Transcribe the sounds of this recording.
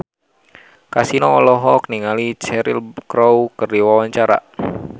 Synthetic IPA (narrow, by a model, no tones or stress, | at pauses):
kasinɔːlɔɦɔk̚niŋalit͡ʃɛɾḭlkɾowkɨrdiwawaɲt͡ʃaɾa̰